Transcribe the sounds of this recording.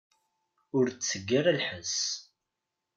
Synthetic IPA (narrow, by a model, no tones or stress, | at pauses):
ʊɾt͡sːəɡːəɾəlħəs